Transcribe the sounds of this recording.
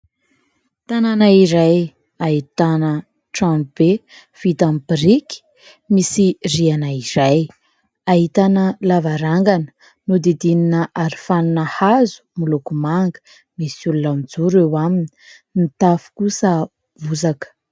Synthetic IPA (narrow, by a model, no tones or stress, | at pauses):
t̪ananaiɾaj | ait̪anə | ʈ͡ʂamb̥e | fit̪ambiɾiki̥ | misirianaiɾaj | aɦit̪anəlavaɾaŋɡanə̥ | nud̪id̪ininəʔaɾifaninəhazu̥mulukumaŋɡə̥ | misulunamid͡zuɾewamini̥ | nit̪afu̥kusə | vuzakə̥